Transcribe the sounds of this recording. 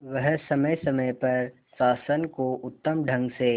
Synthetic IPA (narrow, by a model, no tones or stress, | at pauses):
ʋəɦsɐməjsɐməjpɐɾ | saːsənkoʊt̪ːəmɖʱɐ̃ŋɡse